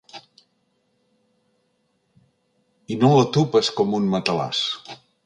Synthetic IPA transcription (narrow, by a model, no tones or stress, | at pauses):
inolət̪upəskɔmunmət̪əla̰s